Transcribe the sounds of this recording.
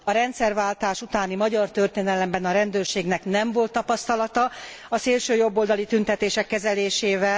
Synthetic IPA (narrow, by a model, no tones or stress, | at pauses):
ɒɾɛnt̪sɛrvaːlt̪aːʃut̪aːnimɒɟɒrt̪ørt̪eːnɛlɛmbɛnɒɾɛnd̪øːrʃeːɡnɛknɛɱvo̞lt̪ːɒpɒst̪ɒlɒt̪ɒ | ɒseːlʃøːjo̞bːold̪ɒlit̪ynt̪ɛt̪eːʃɛkːɛzɛleːʃeːvɛ